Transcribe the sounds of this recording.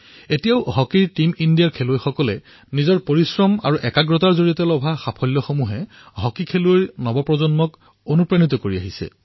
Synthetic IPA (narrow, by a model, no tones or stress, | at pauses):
etijaʊɦɔkiɹtimindijaɹkʰeloojxɔkɔlɛ | nizɔɹpoɹisɹɔma̰ɹuʔɛkaɡɹɔtaɹzoɹiɔtɛlɔbʱaxapʰɔjlːɔxomuɦɛ | ɦɔkikʰelʊejɹnɔbɔpɹɔzɔnmɔk | onupɹanit̪̬ɔkoɹiaɦisɛ̰